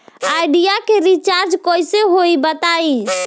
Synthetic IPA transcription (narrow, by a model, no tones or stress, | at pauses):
ajɖijakeɾit͡ʃaɾd͡ʒkɔjseɦoibət̪ai